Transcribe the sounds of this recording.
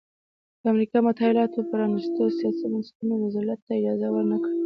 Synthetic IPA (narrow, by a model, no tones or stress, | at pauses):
d̪̥əamɾikɑmʊt̪ɑɪlɑt̪opəɾɑnist̪əsijɑsimastunowazɑlat̪ːaɪd͡ʒɑzawəɾnakɽi